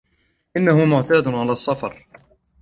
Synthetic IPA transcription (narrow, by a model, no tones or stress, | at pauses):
ʔɪnːahʊmʊʕt̪aːd̪ʕalaːsˤːɑfɑɾˤ